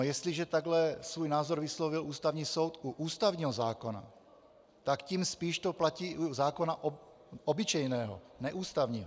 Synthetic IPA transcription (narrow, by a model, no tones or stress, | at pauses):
jɛst̪liʒɛt̪aɡlɛsvuːjnaːzoɾvɪslovɪlʔuːst̪avɲiːsowt̪ʔuʔuːst̪avɲiːɦozaːkona̰ | t̪akciːmspiːʃt̪oplaciːʔuzaːkonaʔ | ʔobɪt͡ʃɛjnɛːɦo̰nɛʔuːst̪avɲiːɦo